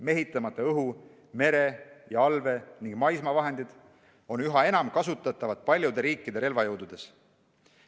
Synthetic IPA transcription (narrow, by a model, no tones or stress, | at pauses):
me̞ɦit̪ːˑɑmɑt̪ːˑɑɤɦu | me̞ɾe̞jɑɑlve̞niŋɡ̥mɑjsmɑvɑɦe̞nd̪id̪̥ | o̞nyɦɑe̞nɑmkɑsut̪ːˑɑt̪ːˑɑvɑt̪̚pɑlʲjud̪e̞ɾiːkːˑid̪̥e̞ɾe̞lvɑjɤwd̪ud̪̥e̞s